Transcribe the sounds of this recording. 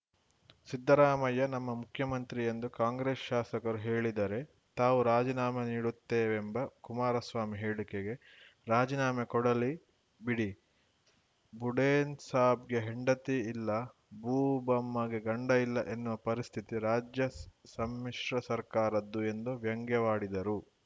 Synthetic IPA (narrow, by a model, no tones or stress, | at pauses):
sid̪ʱːɐɾaːmɐjɐnɐmːɐmukʰjɐmɐnt̪ɾiend̪ukaːŋɡɾeːsʃaːsɐkɐɾuɦeːɭid̪ɐɾe̞ | t̪aːʋuɾaːd͡ʒinaːmɐniːɽut̪ːeːʋembɐkumaːɾɐsʋaːmiɦe̞ːɭikeɡe̞ | ɾaːd͡ʒinaːmekɔɽɐli | biɽi | buɽeːnsaːbɡe̞ɦeɳɖɐt̪iilːɐ | buːbɐmːɐɡeɡɐɳɖɐilːɐʔenːuʋɐpɐɾist̪ʰit̪iɾaːd͡ʒjɐsɐmːiʂɾɐsɐɾkaːɾɐd̪ːue̞nd̪uʋjɐŋɡɛʋaːɽid̪ɐɾu